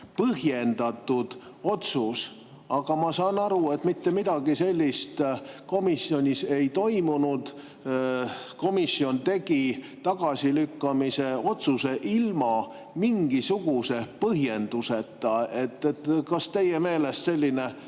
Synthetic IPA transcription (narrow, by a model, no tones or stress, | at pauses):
pɤɦje̞nd̪̥ɑt̪ːud̪̥o̞t̪sus | ɑɡ̥ɑmɑsɑːnɑɾue̞t̪mit̪ːemid̪̥ɑɡ̥ise̞lʲːist̪ko̞misːio̞nʲise̞jt̪o̞jmunud̪̥ | ko̞misːio̞nt̪e̞ɡi | t̪ɑɡ̥ɑsʲilykːɑmise̞o̞t̪suse̞ʔilmɑ | miŋɡ̥isuɡ̥use̞pɤɦje̞nd̪̥use̞t̪ˑːɑe̞t̪ːˑet̪kɑst̪e̞jeme̞ːle̞st̪se̞lʲːine̞